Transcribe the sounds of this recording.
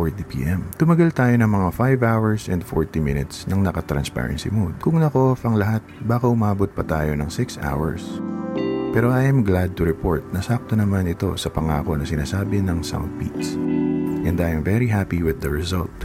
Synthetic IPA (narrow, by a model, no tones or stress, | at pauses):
oɹd̪ipḭːʔɛmt̪ʊmɐɡalt̪aːjo̞nɐŋmɐŋafajvawɐɹsʔɛ̃nd̪foɹt̪imɪnɪt̪snɐŋnɐkɐt̪ɾɐ̰nspɛ̰ɹɐ̰nsḭmud̪̚kʊŋnɐko̞ʔfɐŋlɐɦat̪̚baːkɐʔʊmaːbot̪̚pɐt̪aːjo̞nɐŋsɪksʔa̰wɐ̰ɹs | pɛːɾo̞ʔajɛmɡlad̪̚t̪ʊɾɛpoɹt̪̚nɐsak̚t̪onɐmanɪt̪o̞̰sɐpɐŋaːko̞nɐsɪnaːsaːbɪnɐŋsa̰wnd̪̚pḭt̪sʔɛnd̪ajmvɛɾiɦapiwɪðɐɹɛzɐ̰lt̪